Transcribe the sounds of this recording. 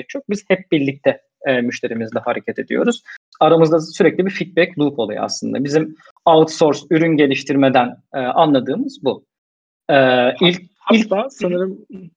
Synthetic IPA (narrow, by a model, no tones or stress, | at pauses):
k̚t͡ʃʰok̚biz̥hɛp̚bilʲic̚t̪ʰɛ | myʃt̪ʰe̞ɾimizd̪ʲɛhaɾecʰat̪ʰe̞d̪ḭjo̞̰ɾuz̥ | aɾamɯzd̪asyɾɛclʲibifit̪̚bɛclˠupʰo̞lˠuj̰a̰slˠɯnd̪a̰bizim | alt̪so̞ɾsyɾynɟe̞lʲiʃt̪ʰiɾme̞d̪ænɛːʔanlˠad̪ɯːmɯzbu | ɛːilʲ | ilʲsnɯɾɯm